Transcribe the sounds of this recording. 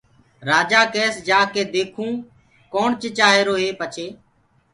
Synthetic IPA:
ɾaːd͡ʒaːkɛːsd͡ʒaːkeːd̪eːkʰũː | koːɳt͡ʃet͡ʃaːɦeːɾoːɦeːpət͡ʃʰeː

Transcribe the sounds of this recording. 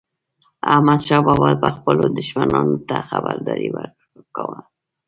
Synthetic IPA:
ahmad̪ʃɑbawalpəxpəlod̪ʊʃmanɑnot̪axabaɾd̪ɑɾiwəɾ | kawəl

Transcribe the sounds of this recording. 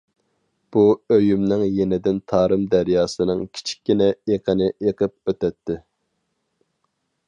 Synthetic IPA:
b̥uøjymnɪŋjenɪd̪ɪnt̪ʰɑːɾɨmd̪æɾjɑːsɨnɨŋkʲʰi̥t͡ʃʰi̥kʲːinɛeqʰənɨʔeqʰəp̚øt̪ɛt̪ːɪ

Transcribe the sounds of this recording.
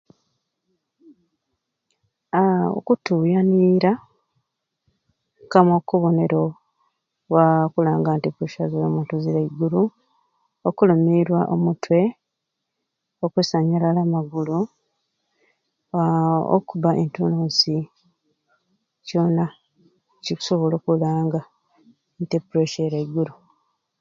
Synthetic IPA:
o̰kutujaniɾa | kamokuβo̞ne̞ɾo | wakulaːŋɡantikuʃazowomuntuziɾeiɡulu | okulumiɾwaʔomutwe̞ | okwesaɲalalamaɡulu | o̰kuβaʔentunuːsi | co̞ːna | ciku̥so̞βolokulaːŋɡa | ntepuɾeʃeɾaiɡulu

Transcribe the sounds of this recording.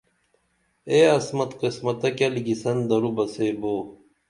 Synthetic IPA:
eːɐsmɐt̪qismɐt̪ɐkɐliɡisɐnd̪ɐɾubɐseːboː

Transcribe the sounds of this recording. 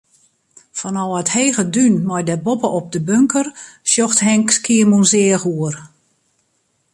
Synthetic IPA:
fɔnɔwətheːɣədynmɔjdɛbopəʔɔp̚dəbøŋkərsjoxthɛŋkskiəmunsɪəxuər

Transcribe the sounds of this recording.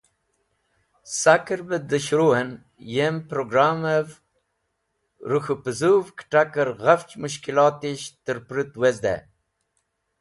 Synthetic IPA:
sakəɾbəd̪əɕɾuɦən | jempɾoɡɾaːmev | ɾuxupəzuvkʈakəɾɣaft͡ɕmuɕ̬kilɑt̪iɕt̪əɾpɾit̪wezd̪ḛ

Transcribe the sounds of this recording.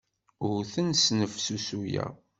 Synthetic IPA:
ʊɾθənsnəfsusujæ̰

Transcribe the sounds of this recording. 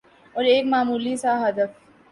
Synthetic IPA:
ɔːɾeːkmaːmuːlisaɦɐd̪əf

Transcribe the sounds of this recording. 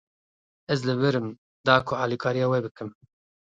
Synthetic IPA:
ɛzlɨwɪɾɨm | d̪ɑːkʰʊɑːlikʰɑːɾijɑːwɛbɨkɨm

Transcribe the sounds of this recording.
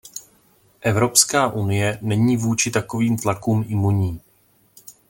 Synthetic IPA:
ʔɛvɾo̞pskaːʔunɪjɛnɛɲiːvuːt͡ʃɪt̪ako̞viːmt̪lakuːmʔɪmuɲiː

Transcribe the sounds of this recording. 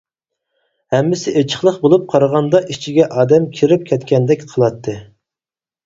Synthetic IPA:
hɛmːɪsɪʔet͡ʃʰə̥χlˠəχbolˠup̚qʰɑɾəʁɑnd̪ɑʔit͡ʃʰiɡʲɛʔɑːd̪ɛmkʲʰiɾɪp̚kʲʰɛt̪kʲɛnd̪ɛkʲqʰəlˠɑt̪ʰːɨ

